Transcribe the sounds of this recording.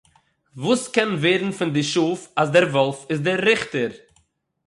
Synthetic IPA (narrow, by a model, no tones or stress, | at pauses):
vuːskɛnveːɾn̩fɪndɪʃuːfasdɛɾvɔlˠfɪsdɪɾːɪχtəɾ